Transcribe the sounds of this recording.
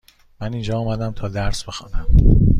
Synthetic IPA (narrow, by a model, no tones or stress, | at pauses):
mænind͡ʒɒːmæd̪æmt̪ʰɒːd̪æɾsbe̞xɒ̰ːnæm